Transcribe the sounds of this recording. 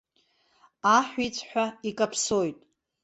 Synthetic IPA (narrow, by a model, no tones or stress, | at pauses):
aħʷᶣit͡sʷʰʼħᶣʷaikʼapʰsojtʼ